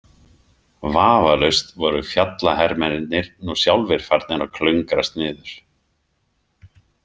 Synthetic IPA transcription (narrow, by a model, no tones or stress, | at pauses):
vaːvalœɥst̪vɔɾʏfjat̪lahɛɾmɛnɪt̪nɪɾnusjawlvɪɾ̥faɾt̪nɪnɾawkʰlœŋkɾast̪nɪːðʏɾ̥